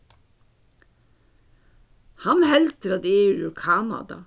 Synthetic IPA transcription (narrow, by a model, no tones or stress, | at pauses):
hɑnhɛlt̪əɾɑd̪eːʉːʉkʰɑːnɑ̰d̪ɑ̰